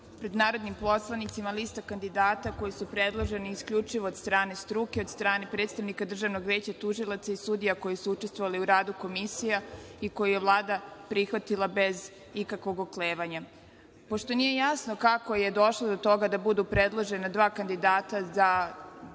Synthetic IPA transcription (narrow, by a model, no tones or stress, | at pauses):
pɾe̞d̪naːɾo̞d̪nimposlˠanit̪simaliːst̪akand̪id̪aːt̪ako̞jisupɾed̪lˠoʒe̞niiskʎʲut͡ʃiʋo̞ːd̪st̪ɾaːne̞st̪ɾukeo̞d̪st̪ɾaːne̞pɾet̪st̪aʋnikad̪r̩ʒaʋno̞ɡʋjeːt͡ɕat̪uʒilˠat̪saisud̪ijako̞jesuut͡ʃest̪ʋo̞ʋaliuɾaːd̪uko̞misijaiko̞jujeʋlˠaːd̪apɾixʋat̪ilˠabez | ikakʋo̞ɡokleːʋaɲa | poʃt̪o̞nije̞jasno̞kako̞je̞d̪o̞ʃlˠod̪o̞t̪o̞ɡad̪abud̪upɾe̞d̪lˠoʒe̞nad̪ʋaːkand̪id̪aːt̪aza